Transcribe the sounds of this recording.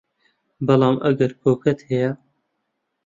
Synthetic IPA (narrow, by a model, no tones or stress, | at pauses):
bɐlɑːmʔɐɡɐɾpʰoːkɐt̪hɛjɛ